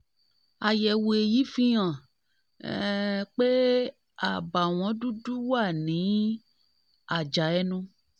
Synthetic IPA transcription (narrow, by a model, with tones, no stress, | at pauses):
a˨jɛ˨we˨ji˦fĩ˦ã˨ | k͡pe˦ | a˨ba˨w̃ɔ̃˨˦du˦du˦wa˦˨nĩ˨˦ | a˨d͡ʒa˨ɛ˦nũ˦